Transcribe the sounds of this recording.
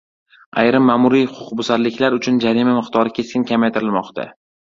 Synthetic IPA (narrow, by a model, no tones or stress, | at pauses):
a̰jɾɪmːaːmʊɾijhʊqʰʊqbʊsaɾlɪkʲʰlaɾʊt͡ʃʰʊnd͡ʒaɾimamɪqt̪ʰɒɾɪkʲʰe̞skʲɪnkʲʰamajt̪ʰɪɾɪlmɒqt̪ʰa̰